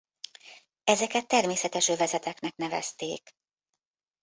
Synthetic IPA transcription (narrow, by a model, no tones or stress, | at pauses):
ɛzɛkɛt̪ːɛrmeːsɛt̪ɛʃøvɛzɛt̪ɛknɛknɛvɛ̰st̪eːk